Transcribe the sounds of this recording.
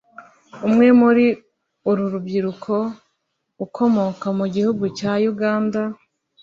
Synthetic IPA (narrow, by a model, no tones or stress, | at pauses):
umŋe̞muɾi | uɾuɾubɟiɾukʰo̞ | ukʰo̞mo̞kamuɟihuɡucaːjuɡaːnda